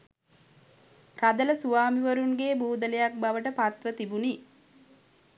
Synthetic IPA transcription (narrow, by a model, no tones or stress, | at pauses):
rad̪ələsuʋaːmiʋəɾuŋɡeːbuːd̪əlejak̚baʋəʈəpat̪ʋət̪ibuni